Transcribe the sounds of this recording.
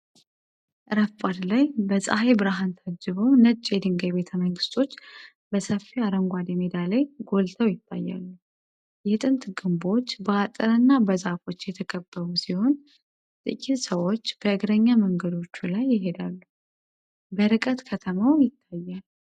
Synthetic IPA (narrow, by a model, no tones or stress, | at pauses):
ʔɨɾəfpʼad̪lajbəsʼahejbɨɾaɦant̪ʰəd͡ʒːɨβəwnət͡ʃʼːjɛd̪ɨŋɡəjβe̞t̪ʰəməŋɡɨst̪ʰo̞t͡ʃː | bəsəfːiaɾəŋɡʷad̪emed̪aləjɡo̞lt̪ʰəwjɪt̪ʰːa̰jːa̰lːu | jɛt̪ʼɨnt̪ɡɨmbo̞t͡ʃːbəat̪ʼəɾɨnːabəzafo̞t͡ʃːjɛt̪ʰəkʼəbːəβusiho̞n | t̪ʼɨkʼit̪səwo̞t͡ʃːb̥əɨɡɾəɲːaməŋɡəd̪o̞t͡ʃːulajːɪɦe̞d̪alːu | bəɾɨkʼət̪kʰət̪ʰəmawjɪt̪ʰːajːal